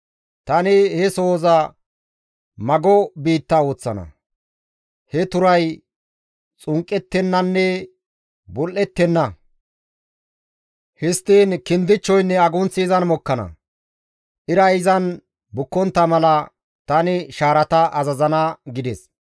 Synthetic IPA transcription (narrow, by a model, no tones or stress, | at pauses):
t̪ɐnɪhɛso̞ːzɐ | mɐɡɔbiːt̪ːɐo̞ːt͡sːɐnɐ̰ | hɛt̪ʊɾɐj | t͡sʼʊŋkʼːɛt̪ːɛnːɐnːɛ | bɔlʔɛt̪ːɛnːɐ | hɪst̪ːiːnkɪnd̪ɪt͡ʃːɔjnːɛɐɡʊnt͡sːɪːzɐnmɔkːɐnɐ̰ | ʔɪɾɐɪzɐn | bʊkːɔnt̪ːɐmɐlɐ | t̪ɐnɪʃaːɾɐt̪ɐʔɐzɐzɐnɐɡɪd̪ɛs